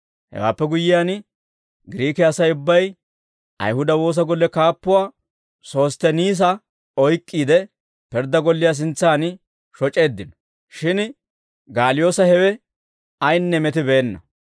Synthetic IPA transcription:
hɛ̰wa̰ːpːɛɡʊjːɪjaːn | ɡɪɾiːkɪɐsɐjʊbːɐj | ʔɐ̰jhʊd̪ɐwo̞ːs̬ɐɡɔlːɛkaːpːʊwaː | so̞ːst̪ɛniːs̬ɐ | ɔjkʼːiːd̪ɛ | pɛɾd̪ɐɡɔlːɪjas̬ɪnt͡sːaːn | ʃɔt͡ʃʼe̞ːd̪ːɪnɔ̥ | ʃɪn | ɡaːlɪjo̞ːsɐhɛwɛ | ɐjnːɛmɛt̪ɪbe̞ːnːɐ̰

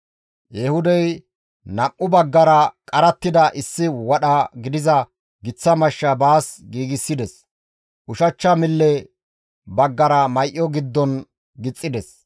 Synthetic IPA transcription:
jɛhʊd̪ɛj | nɐmːʊbɐɡːɐɾɐkʼɐɾɐt̪ːɪd̪ɐʔɪsːɪwɐɗɐɡɪd̪ɪzɐ | ɡɪt͡sːɐmɐʃːɐbaːsɡiːɡɪsːɪd̪ɛs | ʔʊʃɐt͡ʃːɐmɪlːɛ | bɐɡːɐɾɐmɐjʔɔɡɪd̪ːɔn | ɡɪt͡sʼːɪd̪ɛs

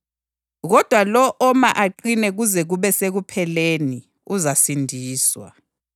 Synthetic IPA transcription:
ɣɔd̥ʱwalɔʔɔmaʔaǃinɛɣuzɛɣuβɛseɣupʰɛleni | uzasindʱiːswa̰

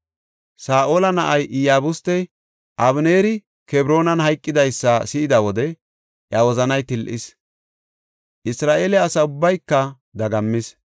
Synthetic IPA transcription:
saːʔoːlɐnɐʔɐjʔɪjaːbʊst̪ːɛj | ʔɐβneːɾɪ | kɛbɾo̞ːnɐnɦɐjkʼːɪd̪ɐjsːɐsɪɪd̪ɐwɔd̪ɛ | ʔjɐwɔzɐnɐjt̪ɪlʔɪs | ʔɪsɾaːʔeːlɛɐsɐʊbːɐjkːɐ | d̪ɐɡɐmːɪs

